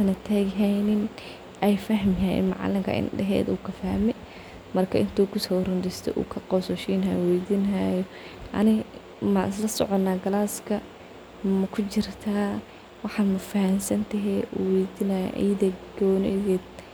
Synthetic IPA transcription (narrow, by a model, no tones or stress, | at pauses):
ɐnɐt̪ʰaːɣɪɦɛjnɪn | ʔɛjfɐɦmjɐjɛ̰mɑ̰ʕɑ̰lɪŋkʰɐ̰ʔɪ̰nɖɛɦɛ̰ːd̪uːkʰɐfɐhmɛ | mɐrkʰɐʔɪnt̪ʰuːkʰʊsɔːrʊnd̪ɪst̪ʰɛ̰ʔṵːkʰɐqɔsɔʃiːnɐjwɛjd̪ɪnajɔ | ʔɐ̰nɪ | mɐnslɐsɔ̰ʕɔnːaːɡɐlaːskʰɐ | mɐkʰʊt͡ʃɪrt̪ʰaː | wɑħɑːmɐfɐhɐmsɐnt̪ʰɐɦɛwɛjd̪ɪnɐj̰ʔḭjdɐɡ̥ɔːnɛjɡɛːd̪